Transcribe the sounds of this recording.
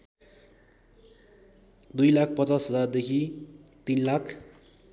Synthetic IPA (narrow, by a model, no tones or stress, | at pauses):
d̪ujlak̚ʰpʌt͡sasɦʌd͡zard̪ekʰit̪inlakʰ